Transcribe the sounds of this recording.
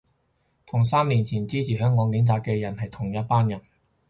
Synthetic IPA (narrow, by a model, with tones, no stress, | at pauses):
t̪ʰʊ˨˩ŋsaː˥mliː˨˩nt͡sʰiː˨˩nt͡siː˥t͡sʰiː˨˩ɦœː˨˥ŋːɔː˨˧ŋkɪ˨˥ŋt͡sʰaː˧kɛː˧jɐ˨˩nhɐ˨jt̪ʰʊ˨˩ŋjɐ˥t̚paː˥njɐ˨˩n